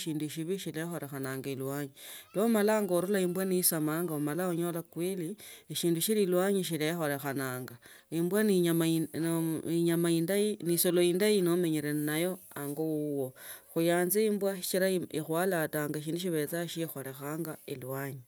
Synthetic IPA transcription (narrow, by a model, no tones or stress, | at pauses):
ʃiːnduʃiβiʃilexo̞le̞xanaːŋɡailwaːɲilomalaŋɡoɾulaimbwaniisamaːŋɡaomalaoɲo̞lakwiliiʃiːnduʃililwaɲiʃ̬ilexo̞le̞xanaːŋɡaimbwanam | iɲamaindajinisolo̞indajinomeɲeɾenajo̞aŋɡouwo̞xujaːnziimbwaʃi̥t͡ʃiɾaiixwalataːŋɡaʃiːnduʃ̬iβe̞t͡saʃixo̞le̞xaːŋɡailwaɲi